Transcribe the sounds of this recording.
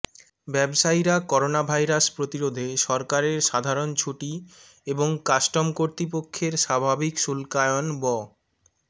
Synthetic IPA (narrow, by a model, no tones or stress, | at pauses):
bɛbʃajɾakɔɾonabʱajɾaspɾot̪iɾod̪ʱeʃɔɾkaɾeɾʃad̪ʱaɾont͡ɕʰuʈi | eboŋkasʈomkoɾt̪ɾipokʰːeɾʃabʱabikʃulkajonbɔ